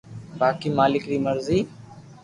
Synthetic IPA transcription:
baːkiːmaːlɪkɾiːməɾziː

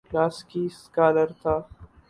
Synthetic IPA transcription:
klaːskiskaːləɾt̪ʰaː

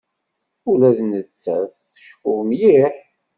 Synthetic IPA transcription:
ulæðnət͡sːæθθə̥ʃkʊmjiħ

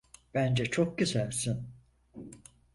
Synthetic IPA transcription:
b̥ænd͡ʒɛt͡ʃʰok̚ɟyzælʲsin

